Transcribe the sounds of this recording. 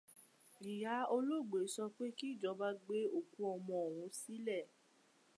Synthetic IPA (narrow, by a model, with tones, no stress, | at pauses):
i˨ja˨˦o˧lo˦˨ɡ͡be˨˦sɔ˧k͡pe˦ki˦i˦˨d͡ʒɔ˨˧˦ba˦ɡ͡be˦o˦˨kũ˧˦ɔ˧mɔ̃˧o˨w̃ũ˨˦si˦lɛ˦˨